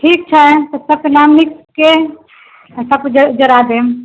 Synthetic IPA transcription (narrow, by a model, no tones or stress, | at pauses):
ʈʰik̚t͡ʃʰət̪ɔsəb̚kenamnikke | səbd͡ʒd͡ʒəɾad̪em